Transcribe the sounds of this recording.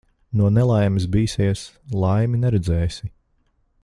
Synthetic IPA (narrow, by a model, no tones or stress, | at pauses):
nuɔnɛlˠajmis̬biːsiɛslˠajminɛɾɛd̪zɛːjsi